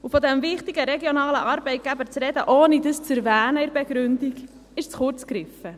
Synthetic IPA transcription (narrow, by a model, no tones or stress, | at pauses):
ufɔd̪ɛmvɪχt̪iɡəɾɛɡjonɑːləʔɑɾbɛɪt̚ɡ̥æbəɾt͡sɾɛdəʔoːnidəst͡sɛɾvæːnəɪɾbɛɡɾʉndiɡ | ɪʃt͡sχʊɾt͡skɾɪfə